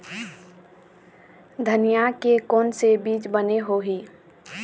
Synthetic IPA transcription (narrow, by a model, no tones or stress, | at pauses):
d̪ʱənijakekɔːnsebiːt͡ʃbəneɦoɦiː